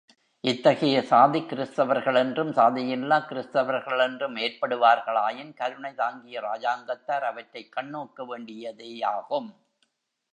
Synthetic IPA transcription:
ʔɪt̪ːɐɣɐjɐsaːðikːɪɾɪst̪ɐʋɐɾɣɐɭɛndrɯmsaːðɪjɪlːaːkɪɾɪst̪ɐʋɐɾɣɐɭɛndrɯmeːrpɐɽɯʋaːɾɣɐɭaːjɪnkɐɾɯɳɐɪt̪aːŋɡɪjɐɾaːd͡ʒaːŋɡɐt̪ːaːɾɐʋɐʈːɐɪkːɐɳːoːkːɐʋeːɳɖɪjɐðeːaːɣɯm

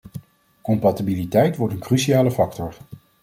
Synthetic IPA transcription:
kɔmpɑtibilitɛjtʋɔɹtənkrysiaːləfɑktɔɹ

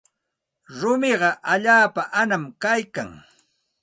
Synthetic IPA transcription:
ɾʊmɪɢɑʔaʎaːpaʔanamkajka̰ŋ

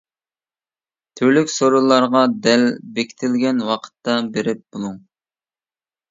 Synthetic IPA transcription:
t̪ʰyɾlykʲsoɾulˠːɑɾʁɑd̪ɛlbekʲʰi̥t̪ʰɪlɡʲɛnwɑqʰə̥t̪ːɑbeɾɪp̚b̥olˠuŋ

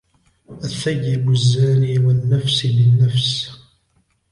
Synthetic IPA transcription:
ʔaθːajːɪbazːaːliːwanːafslɪnːafs

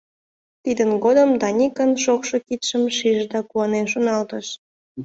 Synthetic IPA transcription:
t̪id̪ənɡod̪əmd̪ɑnʲikənʃokʃokit̪ʃəmʃiʒd̪ɑkuɑnenʃonɑlt̪əʃ

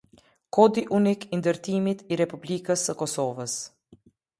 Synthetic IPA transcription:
kɔd̪iʔunikind̪əɾt̪imit̪iɾɛpublikəsəkɔsɔvəs

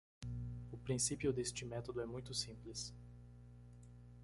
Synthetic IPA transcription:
ʊpɾĩsipiʊd̪est͡ʃɪmɛt̪od̪ʊɛmũj̃t̪ʊsĩmplɪs

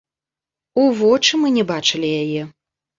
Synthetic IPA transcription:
uvɔt͡ʂɨmɨnʲɛbat͡ʂɨlʲijajɛ

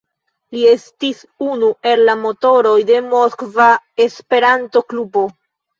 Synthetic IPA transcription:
lie̞stis | unuʔe̞llamo̞to̞ɾo̞jde̞moskvae̞spe̞ɾanto̞klubo̞

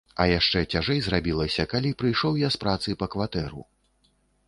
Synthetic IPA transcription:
ɐjaʂt͡ʂɛt͡sʲaʐɛjzrabʲilˠɐsʲɐkalʲipɾɨjʂɔwjaspɾat̪sɨpɐkvat̪ɛɾṵ

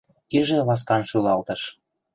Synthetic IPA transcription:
iʒĕlɑs̬kɑnʃylɑlt̪ɤ̆ʃ

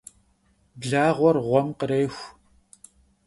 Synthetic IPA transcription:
bɮaːʁʷɔrʁʷɔmqəɾeːxʷ

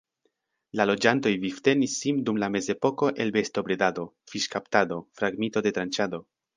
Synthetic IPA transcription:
lalo̞d͡ʒanto̞jvifte̞nisːindumlame̞ze̞po̞ko̞ʔe̞lbe̞sto̞bɾe̞dado̞ | fiʃkaptad̪o̞fɾaɡmento̞de̞t̪ɾant͡ʃad̪o̞

